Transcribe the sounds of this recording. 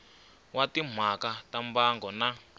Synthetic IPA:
watim̤akatambaŋɡɔna

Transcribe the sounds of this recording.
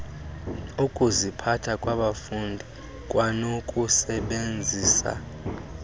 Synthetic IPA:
ukʼuzipʰatʰakʼwaɓafundʱi | kʼwanokʼusɛɓend͡zʱiːsa̰

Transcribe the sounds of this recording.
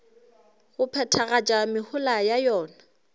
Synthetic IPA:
ɣʊpʰɛtʰaɣat͡ʃʼamɪhʊlajajɔːna

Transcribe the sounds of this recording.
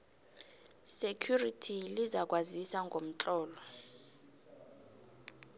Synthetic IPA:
sekʰjuritʰilizak̬ʼwazisaŋɡʱom̩t͡ɬʼɔːlɔ

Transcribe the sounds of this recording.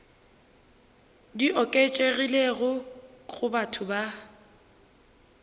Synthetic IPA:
diʔɔkʼet͡ʃʼeɣileɣʊɣʊbatʰʊba

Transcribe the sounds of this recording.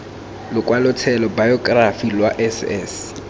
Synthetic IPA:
lʊkwalʊt͡sʰɛlɔbajɔkʼrafilwaʔɛsɛ̰s

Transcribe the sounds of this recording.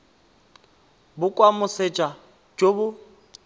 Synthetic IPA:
bʊkʼwamʊset͡ʃʼa | d͡ʒobʊ

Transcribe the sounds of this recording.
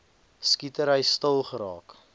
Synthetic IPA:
skitəɾəjstəlˠχəɾɑːk

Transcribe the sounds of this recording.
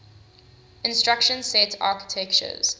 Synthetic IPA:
ɪ̃nstɹakʃə̃nsɛtʰa̰ːkɪ̥tʰɛkt͡ʃə̰z̥

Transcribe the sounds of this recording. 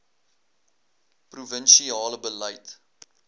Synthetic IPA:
pruvənʃiɑːləbəlɐjt

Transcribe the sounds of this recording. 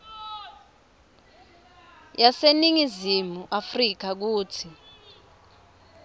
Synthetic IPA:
jaseniŋizimuʔafrik̬ak̬uːtʰi

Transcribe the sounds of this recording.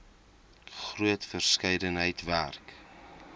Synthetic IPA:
χruətfərskɛjdənɦəjtværk

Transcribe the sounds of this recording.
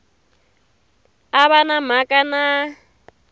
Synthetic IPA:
aβanam̤akʼana

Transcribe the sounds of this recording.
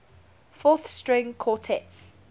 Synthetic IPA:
fɔθstɹɪ̃ŋkʰɔtʰɛts

